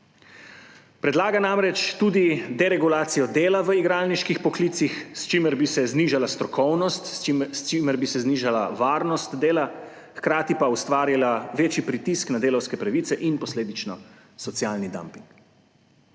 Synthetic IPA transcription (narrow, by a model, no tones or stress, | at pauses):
pɾɛd̪laːɡanaːmɾɛt͡ʃt̪ud̪id̪ɛɾɛɡulaːt̪sijɔd̪eːlaʋəiɡɾaːlniʃkixpɔklit̪sixst͡ʃiməɾbisɛzniʒalast̪ɾɔkɔwnɔst̪st͡ʃiməɾbisɛzniːʒala̰ʋaːɾnɔst̪d̪eːla | xkɾaːt̪ipaust̪ʋaːɾilaʋeːt͡ʃjipɾit̪isknad̪eːlɔwskɛpɾaʋiːt̪sɛʔinpɔsleːd̪it͡ʃnɔ | sɔt̪sijaːlnid̪a̰mpiŋk